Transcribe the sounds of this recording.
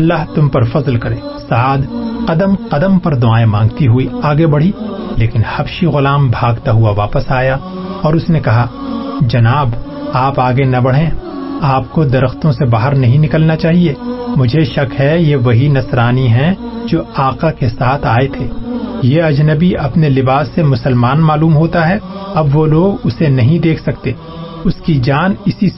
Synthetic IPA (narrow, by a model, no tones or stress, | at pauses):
ɐlːaːɦt̪ʊmpɐɾfɐzlkɐɾẽː | saːd̪qɐd̪əmqɐd̪əmpɐɾd̪ʊaːẽmãːŋɡt̪iɦʊiaːɡebɐɽ̤ileːkɪnhɐbʃiɣʊlaːmbʱaːɡt̪aɦʊaʋaːpəsaːja | ɔːɾʊsnekɐɦa | d͡ʒɐnaːb | aːpaːɡenɐbɐɽ̤ẽ | aːpkod̪ɐɾəxt̪õsebaːɦəɾnɐɦĩnɪkəlnat͡ʃaːɦieːmʊd͡ʒʱeʃɐkɦɛjeʋɐɦinɐsɾaːniɦɛ̃ | d͡ʒoːaːqakesaːt̪ʰaːet̪ʰeːjeɐd͡ʒnəbiɐpnelɪbaːsːemʊsəlmaːnmaːluːmɦoːt̪aɦɛɐbʋoloːɡʊsenɐɦĩd̪eːkʰsɐkt̪eː | ʊskid͡ʒaːnɪsi